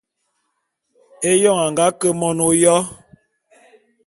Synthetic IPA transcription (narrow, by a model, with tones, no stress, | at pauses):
e˦jɔ˦˨ŋa˨ŋɡa˦kə˦mɔ˦no˦jɔ˦